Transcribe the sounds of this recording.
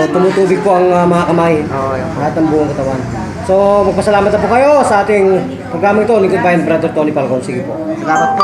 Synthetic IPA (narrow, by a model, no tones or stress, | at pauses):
t̪ʊmut̪uːbɪɡ̚poʔɐŋmɐŋakɐmajoolahat̪nɐŋbuːʊŋkɐt̪ɐwan | somɐɡ̚pɐsɐlaːmɐt̪nɐpukɐjo̞sɐʔaːt̪ɪŋ | pɾoɡɾaːmɐɪt̪onikʊd̪̚pajɐnpɾad̪oɾt̪onipalkonsiːɡɪpod̪apɐt̪̚